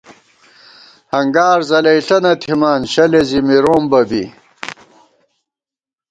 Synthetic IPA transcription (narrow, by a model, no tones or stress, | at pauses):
hɐŋɡaːɾzɐlɐjɬɐnɐt̪ʰimaːnɕɐlezimiɾoːmbɐbḭ